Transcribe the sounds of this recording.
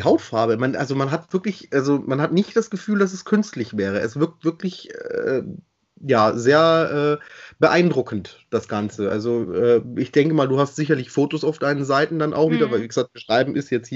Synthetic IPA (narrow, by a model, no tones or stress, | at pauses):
ihaʊtfaɐbəmanʔalzomanɦatv̥ɪɐklɪçʔalzomanɦatnɪçt̚d̥asɡ̥əfyːldas̬ɛskʰʏnstlɪçv̥ɛːʁ̞əʔɛ̰sv̥ɪɐk̚tv̥ɪɐklɪçɛː | jaːzeːɐʔɛːb̥əʔaɪndʁʊkn̩td̥asɡ̥ant͡səʔa̰lzoʔɛːʔɪçd̥ɛŋkəmaːlduːhastz̥ɪçɐlɪçfoːtosaʊfd̥aɪnənzaɪtn̩danʔa̰ʊxviːdɐvaɪlvɪçz̥aːk̚t̚b̥əʃʁ̥aɪbm̩ʔɪstjɛt͡shiːɐ